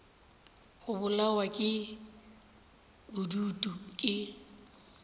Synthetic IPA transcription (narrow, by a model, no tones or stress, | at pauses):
ɣʊbʊlawakʼɪ | bʊduːtʼukʼɪ